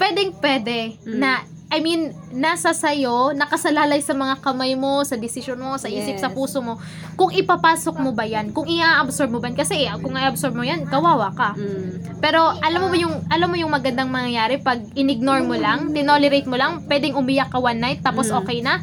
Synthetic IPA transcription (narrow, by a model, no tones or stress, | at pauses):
pwɛd̪ɛŋpwɛːd̪ɛnɐ | ʔɐjminː | ɐsɐsɐjo̞nɐkɐsɐlaːlɐjsɐmɐŋakɐmajmo̞sɐd̪ɪsɪʃonmo̞sɐʔiːsɪp̚sɐpuːsomo̞ | kʊŋʔɪpɐpaːso̞k̚mobɐjankʊŋɪʔaʔɐbsoɹb̚mobankɐsɛʔkʊŋʔaʔʔɐbsoɹb̚mojankɐwaːwɐkɐ | pɛːɾo̞ʔɐlamːobɐjʊŋʔɐlamːojʊŋmɐɡɐnd̪aŋmɐŋjɐjaːɾɛpɐɡ̚ɪnɪɡ̚noɹmolaŋt̪ɪnolɛɾejt̪̚molɐŋpwɛd̪ɛŋʔʊmɪjakːɐwanːajt̪ːaːposʔo̞ːkɛjnɐ